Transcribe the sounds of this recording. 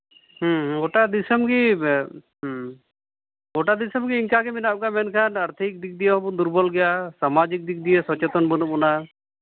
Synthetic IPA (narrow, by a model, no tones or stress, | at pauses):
hɡɔʈad̪isɔmɡi | ɡɔʈad̪isɔmɡiːŋkaɡɛminap̚kamɛnkʰanaɾt̪ʰik̚d̪ik̚d̪ijɔd̪uɾbɔlɡɛjasamad͡ʒik̚d̪ik̚d̪ijɛsɔt͡ʃɛt̪ɔnbɔnɔɔna